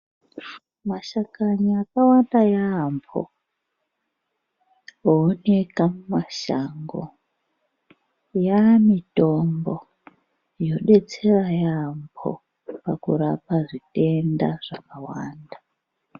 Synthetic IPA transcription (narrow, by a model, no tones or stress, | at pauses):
maʃakaɲiakawandajampʰo̰ | oːne̞kamumaʃa̰ŋɡo̰ | jamito̞mbo̞ | jo̞ɗe̞t͡se̞rajampʰo̰ | pakuɾapaʐite̞ndaʐ̥akawaːnda